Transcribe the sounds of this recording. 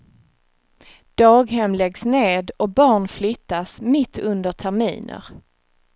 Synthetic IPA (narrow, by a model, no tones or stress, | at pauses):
d̪̥ɑːɡɦɛmlɛɡsneːd̪ɔbɑːɳflʏt̪ːasmɪt̪ʰːɵnd̪əʈʰæɾmḭːnʔə̰ɾ